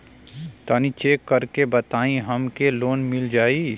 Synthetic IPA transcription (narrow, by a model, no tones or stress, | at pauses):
t̪aːnit͡ʃeːkːɐɾkebɐt̪aːĩɦɐmkeloːnmɪld͡ʒaːi